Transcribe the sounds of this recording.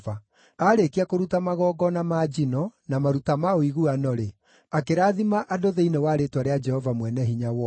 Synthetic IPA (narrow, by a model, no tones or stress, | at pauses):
va | aɾekiakoɾutamaɣɔɡɔnamad͡ʒinɔnamaɾutamaoiɣuanɔɾe | akeɾaːðimaʔadoðeinewaːɾetwaɾead͡ʒɛhɔvamwɛnɛɦiɲawɔ